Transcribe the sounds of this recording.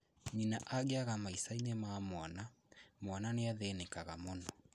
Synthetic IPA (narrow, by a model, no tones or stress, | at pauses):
ɲinaʔaɣeaɣamaisainemamwɔna | mwananeaðenekaɣamonɔ